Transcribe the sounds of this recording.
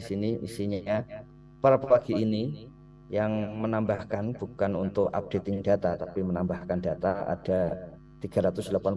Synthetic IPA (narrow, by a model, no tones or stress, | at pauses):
isiniʔḭsiɲa | paɾapəwaɡ̥iːni | jaŋmənambahkanb̥ukanunt̪ʊka̰p̚d̥et̪ɪŋd̥at̪at̪apimənambahkanda̤t̪aa̰d̥a | t̪iɡ̥aɾat̪ʊsdəlapan